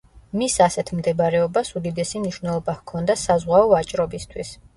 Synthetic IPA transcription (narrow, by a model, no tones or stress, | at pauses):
misasɛt̪ʰmd̪ɛbɾɛɔbasud̪id̪ɛsimniʃwvnɛlˠɔbahkʰɔnd̪asazʁwaɔat͡ʃʼɾɔbist̪ʰwis